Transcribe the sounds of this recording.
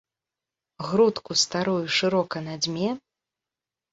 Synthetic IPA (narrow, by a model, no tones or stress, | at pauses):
ɣɾut̪kust̪aɾujuʂɨɾɔkɐnad͡zʲmʲɛ